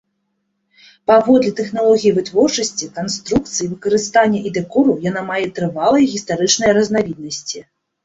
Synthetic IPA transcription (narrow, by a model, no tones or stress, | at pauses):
pavɔd̪lʲit̪ɛxnalˠɔɣʲijivɨt̪vɔrt͡ʂɐsʲt͡sʲikanst̪ɾuk̚t̪sɨjivɨkɐɾɨst̪anʲːɐʔid̪ɛkɔɾujanamajɛt̪ɾɨvalˠɐjɣʲist̪aɾɨt͡ʂnɐjɐɾɐznavʲid̪̚nɐsʲt͡sʲi